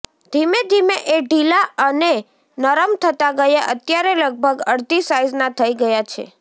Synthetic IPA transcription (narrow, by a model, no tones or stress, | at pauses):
d̪ʱimed̪ʱimeʔeɖilaəne | nəɾəmt̪ʰət̪aɡəjaʔət̪jaɾeləɡ̚bʱəɡəɽd̪ʱisajznat̪ʰəiɡəjat͡ʃʰḛ